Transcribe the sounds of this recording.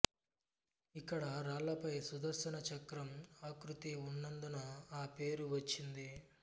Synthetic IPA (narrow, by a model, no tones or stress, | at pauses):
ikːɐɽɐɾaːɭːɐpɐjsud̪ɐɾsɐnɐt͡ʃɐkɾɐmaːkɾut̪iunːɐnd̪unɐaːpe̞ːɾuʋɐt͡ʃːind̪i